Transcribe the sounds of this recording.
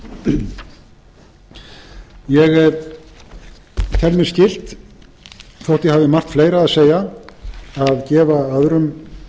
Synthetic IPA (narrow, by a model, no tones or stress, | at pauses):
jɛɣ | t̪ʰɛlmɪɾ̥scɪl̥t̪ | θowht̪jɛhavðɪmar̥t̪fleːjɾaːðseːja | aðcɛːvaaðɾʏm